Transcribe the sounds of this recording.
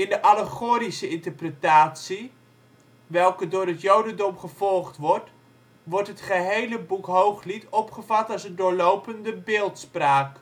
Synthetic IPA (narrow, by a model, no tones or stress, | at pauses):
ɪndəʔaləχoːɾisəɪntəɹprətaːtsi | ʋɛlˠkədʊːɾətjowdəndɔmχəv̥ɔlˠχtʋɔɹt | ʋɔrtɦətχəɦejləbukɦowχlitʰɔpχəvatasəndʊːɹlowpəndəbɪːlˠtspraːk